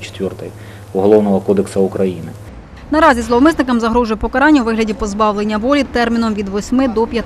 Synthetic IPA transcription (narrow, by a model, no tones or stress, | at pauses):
t͡ʃt̪ʲʋʲɔrt̪ɪj | ɔɦɔlˠɔwnɔɦɔkɔd̪eksɐukɾɐjinɪ | nɐɾɑzʲizlˠɔʋmɪsnɪkɐmzɐɦɾɔʒʊjpɔkɐɾɑnʲːɐwʋɪɦlʲɐdʲipɔzbɑwlˠenʲːɐʋɔlʲit̪ɛrmʲinɔmʋʲid̪ʋɔsʲmɪd̪ɔpʲjɐt̪